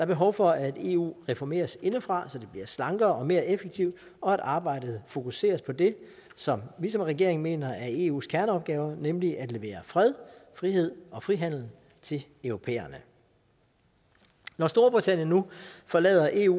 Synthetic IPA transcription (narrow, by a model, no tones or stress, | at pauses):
d̥ɑ̈ɐb̥e̝ɦɒ̽ʊfɒ̽æd̥e̝̰ːṵːʁɛfɒme̝̰ːɐse̝nəfʁɑ̈sɒ̽d̥e̝b̥liɐslɑ̈ŋɡ̥ɐːɒ̽me̝ːɐʔefeɡ̥̚t͡sʰiʊ̰d̥ | ɒ̽æɾ̥ɑ̈ːb̥ɑ̈ɪ̰d̥ð̩ˠfo̝kʰuse̝̰ːɐspʰɒ̽d̥e̝ | sɒ̽mʋisɒ̽mʁɛɡ̥e̝ɐe̝ŋme̝̰ːnɐʔæɐe̝ːṵːskʰæɐnəɒ̽b̥̚ɡ̥ɛːʊɐnemliʔæd̥le̝ʋe̝̰ːɐfʁɛð̞ˠfʁiɦe̝ð̞̰ˠɒ̽fʁiɦæn̰l̩ | t͡sʰe̝lœʊʁo̝pʰḛːɐnə | nɒsd̥o̝ːɐb̥ʁit͡sʰæn̰jənːufɒ̽lɛ̰ːðˠɐʔe̝̰ːṵ